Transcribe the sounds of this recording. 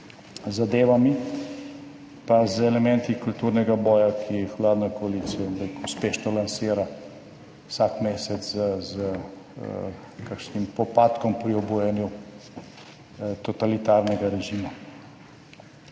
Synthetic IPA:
zad̪eːʋami | pazɛlɛmɛ̃nt̪ikult̪uːɾnɛɡabɔːjakʰixwlaːd̪nɔkɔaliːt̪sijɔmbɾekuspeːʃnɔlansiːɾa | wsakmeːsɛt̪szəzə | kakʃnimpɔpaːt̪kɔmpɾiɔbujɛnju | t̪ɔt̪alit̪aːɾnɛɡaɾɛʒiːma

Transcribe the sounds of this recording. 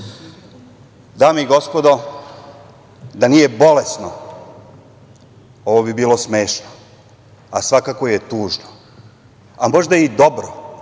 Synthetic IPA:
d̪aːmeiɡo̞spo̞d̪o | d̪anije̞bo̞lesno | oʋobibiːlo̞smeːʃno | asʋakako̞jet̪uːʒno | amo̞ʒd̪aid̪o̞bɾo

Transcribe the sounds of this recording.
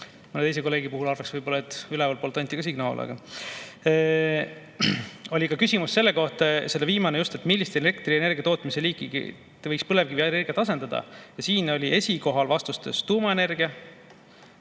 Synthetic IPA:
munet̪e̞js̬e̞ko̞lːe̞ːɡipuɦulɑrvɑksvɤjbo̞lːɑet̪ːylɛvɑlpolt̪ːˑɑnʲt̪ʲːˑikɑsiɡnɑo̰lːɑ̰ɡ̥ɑ | o̞lʲikɑkysimussːe̞lːe̞ko̞ht̪ɑse̞lːeviːmɑnejust̪e̞t̪milːist̪ene̞kt̪ɾrie̞ne̞rɡijɑt̪o̞ːt̪mise̞liːkˑːiɡḭ | t̪evɤjkspɤle̞vɡ̥iiene̞rɡijɑt̪ɑse̞nd̪̥ɑd̪̥ɑ̰jɑsiːno̞lʲiʔe̞sʲiko̞ɦɑlvɑst̪ust̪e̞st̪uːmɑene̞rɡiɑ

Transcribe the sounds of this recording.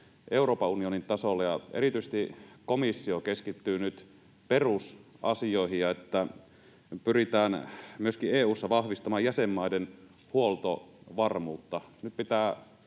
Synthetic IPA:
ʔe̞uro̞ːpɑunionint̪ɑsolːɑjɑḛrit̪yises̆t̪ikomisːiokeskit̪ːyːnyt̪ | perus | ɑ̰sioihijɑet̪ːæ | pyrit̪æːnmyøskieːuːsːɑʋɑhʋist̪ɑmɑːjæsemːɑiden | huolt̪o̰ʋɑrmuːt̪ːɑnyt̪̚pit̪æː

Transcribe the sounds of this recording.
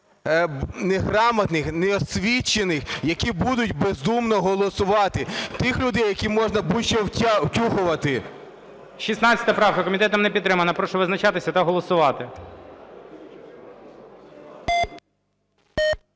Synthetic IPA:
neɦɾɑmɐt̪nɪxnɛɔsʲʋʲit͡ʃːenɪxjɐkʲibud̪ʊtʲbezd̪umnɔɦɔlˠɔsʊʋɑt̪ɪt̪ɪxlʲʊd̪ɛjːɐkʲimɔʒnɐbuʃt͡ʃɛwʲwtʲuɦʊʋɐt̪ɪ | ʃisnɑt͡sʲːɐ̥t̪ɐpɾɑwkɐkɔmʲit̪ɛt̪ɐmnɛpʲit̪t̪ːɾɪmɐnɐpɾɔʃɔʋɪznɐt͡ʃɑt̪ɪsʲɐt̪ɐɦɔlˠɔsʊʋɑt̪ɪ

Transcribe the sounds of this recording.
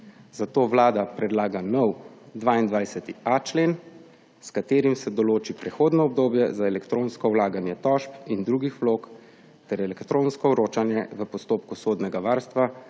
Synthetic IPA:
zat̪oːʋlaːd̪apɾɛd̪laːɡanɔwd̪ʋaːind̪ʋajsɛt̪iat͡ʃleːn | skat̪eːɾimsɛd̪ɔloːt͡ʃipɾɛxoːd̪nɔɔb̚d̪oːbjɛzaɛlɛkt̪ɾoːnskɔwlaːɡanjɛt̪ɔʃpind̪ɾuːɡixʋloːk | t̪ɛɾɛlɛkt̪ɾõːnskɔuɾoːt͡ʃanjɛʋəpɔst̪oːpkusoːd̪nɛɡaʋaːɾst̪ʋa

